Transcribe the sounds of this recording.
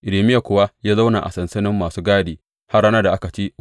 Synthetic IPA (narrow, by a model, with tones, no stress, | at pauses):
ʔɪ˨leː˨mɪ˦ja˨kʷʊ˦˨wa˦jaː˦za˦wna˨ʔa̰˨sɐ˨nsɐ˦nɪ˦mːaː˨suː˦ɡaː˦deː˨ | ha˦rɽa˦naː˦da˨ʔa˦ka˨t͡ʃi˦